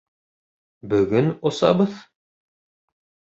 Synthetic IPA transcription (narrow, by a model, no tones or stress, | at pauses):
bɵɡɵnosɑ̰bɤð